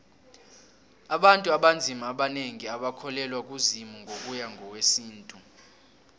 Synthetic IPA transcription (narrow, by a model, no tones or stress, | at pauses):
aɓantʼuaɓand͡zʱimaɓaneŋiaɓakʰɔlɛlwak̬ʼuzimuŋʱok̬ʼujaŋʱɔwesiːntʼu